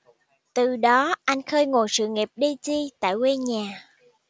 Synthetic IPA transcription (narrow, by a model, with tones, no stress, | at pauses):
t̪ɨ˨˩ɗɔ˨˦ʔa˧jŋ̟xəː˧jŋo˨˩jsɨ̰˧˨ŋi˨˩p̚ɗi˧t͡ɕi˧t̪a̰ː˧˨jwe˧ɲaː˨˩